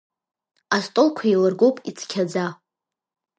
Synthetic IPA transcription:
astʼolkʷʰailɨrɡowpʼit͡sʰkʲʰad͡za

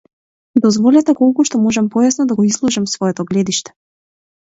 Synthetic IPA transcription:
d̪ɔzvɔlʲɛt̪ɛkɔlˠkuʃt̪ɔmɔʒɛmpɔjasnɔd̪aɡɔizlˠuʒɛmsvɔɛt̪ɔɡlɛd̪iʃt̪ɛ̥

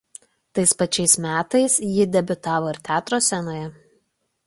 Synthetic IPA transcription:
t̪ɐɪspɐt͡ʃʲɛɪsmʲæːt̪ɐɪsjɪd̪ʲɛbʲʊt̪ɑːʋoːɪɾt̪ʲæːt̪ɾoːsʲɛnoːjɛ

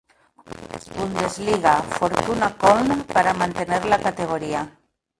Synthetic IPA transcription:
und̪ezliɣ̞afoɾt̪unakɔlnapaɾamant̪eneɾlakat̪eɣ̞oɾia

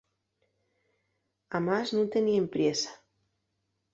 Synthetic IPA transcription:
amaznũnt̪eniempɾjesḁ

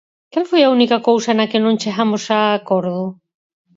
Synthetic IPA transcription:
kalfojaunikɐkowsɐnɐkɪnõŋt͡ʃeɣamʊsakoɾðʊ

